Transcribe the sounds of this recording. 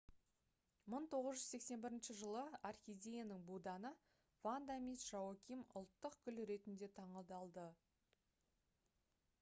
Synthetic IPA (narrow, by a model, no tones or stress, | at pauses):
məɴt̪ʰo̞ʁəzʒʏzse̞kse̞nbɪɾɪnʃɪʒəlˠəarxʲijd̪ʲejanəŋbud̪ɑnə | vand̪amʲisʒ̥awɑkʲimʊ̰lˠt̪ːəqkʲʰʏlɾe̞t̪ɪnd̪e̞t̪ʰɑɴəd̪ɑlˠd̪ə